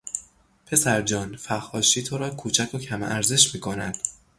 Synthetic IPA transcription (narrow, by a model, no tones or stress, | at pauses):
pʰe̞sæɾd͡ʒɒːnfæxhɒːʃiːt̪ʰoɾɒːkʰuːt͡ʃʰækʰocʰæmʔæɾze̞ʃmiːkʰo̞næd̪̥